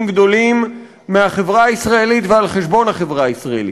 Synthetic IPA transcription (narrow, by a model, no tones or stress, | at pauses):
mɡd̪o̞limː | eaχevʁaːisʁae̞lit̪vealχe̞ʃbo̞nhaχevʁaisʁaḛli